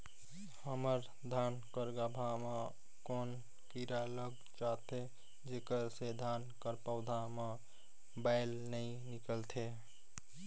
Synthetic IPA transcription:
həməɾ | d̪ʱankəɾɡabʱame | kon | kiɾaləɡ̚ | t͡ʃat̪ʰe | d͡ʒekəɾsed̪ʱankəɾpəwd̪ʱame | baɪlnəj | nikəlt̪ʰe

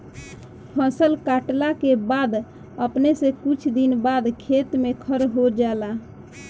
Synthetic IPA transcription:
pʰə̃səlkaʈlakebad̪ | əpnesekut͡ʃʰd̪inbad̪kʰet̪mekʰəɾɦod͡ʒala

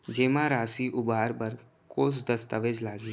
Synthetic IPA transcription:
d͡ʒeːmãːɾaːsiʔʊbaːɾbəɾ | koːs̬d̪ɐst̪əʋed͡ʒlaːɡi

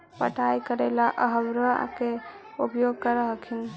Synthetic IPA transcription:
pəʈʰajkəɾelaʔəɦəbɾə̰ke | upjoɡ̚kəɾəɦəkʰin

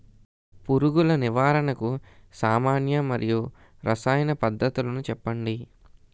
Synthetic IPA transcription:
puɾuɡulɐniʋaːɾɐɳɐkusaːmaːnjɐmɐɾʔiju | ɾɐsaːjɐnɐpɐd̪ʱːɐt̪ulɐnut͡ʃɛpːɐɳɖi

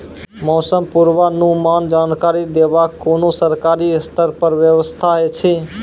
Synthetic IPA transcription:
mɔsəmpuɾʋanumand͡ʒankaɾid̪ebakːonosəɾkaɾist̪ʰəɾpəɾʋjəʋəst̪ʰaɦet͡ʃʰi

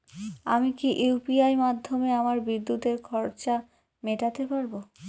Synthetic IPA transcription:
a̰mikiʔepiajmad̪ʱːomeamaɾbid̪ːut̪eɾkʰɔɾt͡ɕa | meʈat̪epaɾbo

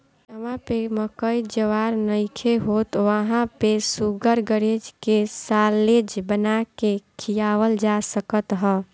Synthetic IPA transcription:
əmãpeməkəid͡ʒəʋaɾnəɪkʰeɦot̪ʋəɦãpesuɡəɾɡəɾed͡ʒkesaled͡ʒbənakekʰijaʋəld͡ʒasəkət̪ɦɔ

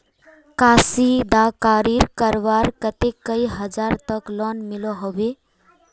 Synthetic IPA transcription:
kasid̪akaɾiɾkəɾʋaɾkət̪ekːəiɦəd͡ʒaɾt̪əklɔnmilɔɦoʋe

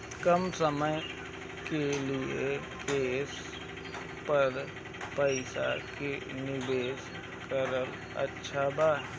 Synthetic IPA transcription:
kəmsəməj | kelie | keːs | pəɾ | pəɪsa̰kenɪbeːs | kəɾəl | ə̰tːʃʰabaː

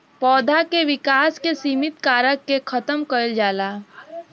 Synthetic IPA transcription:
pɔːd̪ʱakeʋɪkaːskesiːmɪt̪kaːɾəkːekʰət̪əmkəld͡ʒaːlaː

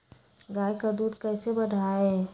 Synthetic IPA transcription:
ɡaːjkad̪uːd̪kɛːsebəɽʱae

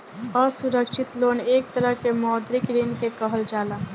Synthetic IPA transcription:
əsuɾəkʃʰit̪lonek̚t̪əɾəɦkemɔd̪ɾikɾinkekəɦəld͡ʒaːla

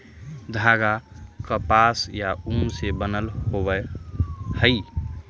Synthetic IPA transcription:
d̪ʱaɡakəpasjaumsebənəlhɦobə | həɪ

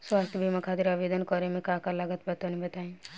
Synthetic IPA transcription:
swast̪ʰjbʱimakʰad̪iɾaʋed̪ənkɔɾemẽkãkalaɡət̪bət̪onĩbɐt̪aːẽ

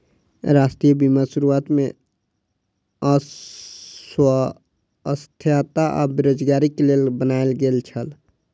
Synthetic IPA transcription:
ɾaːsʈɾijəbimasuɾuaːt̪mẽ | wə | əst̪ʰjat̪aʔɔ̰beɾoːd͡ʒɡaːɾikelelbənaelɡelt͡ʃʰəl

